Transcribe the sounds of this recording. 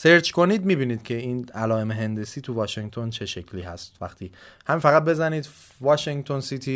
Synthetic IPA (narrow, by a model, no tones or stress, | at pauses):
se̞ɾt͡ʃko̞niːd̪miːbiːniːd̪̥cʰe̞iːnælɒːe̞meɦe̞nd̪esiːt̪ʰuvɒːʃeŋt̪ʰo̞nt͡ʃʰe̞ʃe̞cʰliːɦæ̰st̪væ̰χt̪ʰiːhæminfæɣæt̪̚be̞zæniːd̪ | vɒːʃeŋt̪ʰo̞nsit̪ʰiː